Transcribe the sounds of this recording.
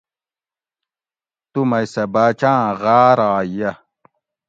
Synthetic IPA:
t̪umɐjsɐbaːt͡ɕãːɣaːɾaːjɐ

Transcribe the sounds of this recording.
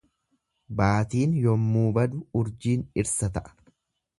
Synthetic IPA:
baːt̪iːnjɔmːuːbɐd̪ʊʊɾd͡ʒiːnɪɾsɐt̪ɐʔɐ̥

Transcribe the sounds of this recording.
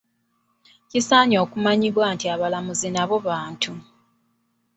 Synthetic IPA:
cisaːɲo̞ːkumaɲiβwaːntiaβalamuzinaβo̞βaːntu

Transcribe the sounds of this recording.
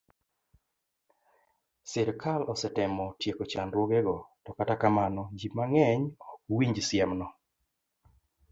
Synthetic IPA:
sɪɾkʰalɔsɛtɛmɔtjekot͡ʃandwoɡɛɡɔtɔkatakamanɔd͡ʒimaŋɛɲɔkwiɲd͡ʒsɪɛmnɔ

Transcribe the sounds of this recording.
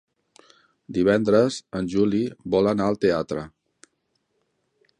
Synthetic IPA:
d̪iβ̞ɛnd̪ɾəzənʲʒulibɔlənaəlˠt̪eat̪ɾə

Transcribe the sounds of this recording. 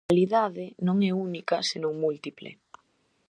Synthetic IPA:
liðaðɪnõŋɛunikɐsenõŋmult̪iplḛ

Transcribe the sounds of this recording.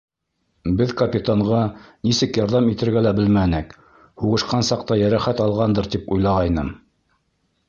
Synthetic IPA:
bɘðkɐpʲit̪aɴʁɑnisɘkjɑɾðɑmit̪ɘ̆ɾɡælæbɘlmænɘk | huʁɤ̆ʃqɑnsɑqt̪ɑjæɾæχæt̪ɑlˠʁɑnd̪ɤɾt̪ipujlˠɑʁɑjnɤm

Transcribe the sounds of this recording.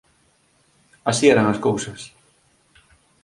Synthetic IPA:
asiɛɾaŋaskowsɐs

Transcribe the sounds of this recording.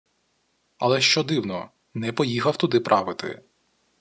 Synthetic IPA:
ɐ̰lˠɛʃt͡ʃɔd̪ɪwnɔ | nɛpɔjixɐwt̪ʊd̪ɪpɾʔɑʋɪt̪ɪ̰

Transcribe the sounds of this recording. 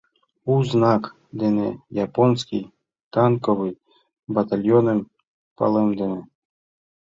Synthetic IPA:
uznak | d̪ɛnɛ̰japɔnskʲij | t̪ankɔvɨj | bat̪alʲjɔnɨm | pa̰lˠɛmd̪ɛnɛ

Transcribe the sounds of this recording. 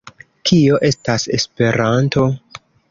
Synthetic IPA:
kʰio̞ʔe̞stase̞spe̞ɾanto̞

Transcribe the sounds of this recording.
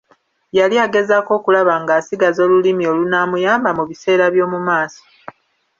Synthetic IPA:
jaliaɡe̞zako̞ːkulaβaŋɡaːsiɡazo̞ːlulimio̞lunaːmujaːmbamuβise̞ːɾaβjo̞ːmumaːso̥

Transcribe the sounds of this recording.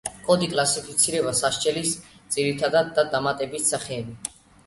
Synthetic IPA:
kʼɔd̪ikʼlasipʰit̪sʰiɾɛbasaʃt͡ʃʼɛlisd̪z̥iɾit̪ʰad̪ad̪̚ːad̪amat̪ʼɛbissaχɛːbi

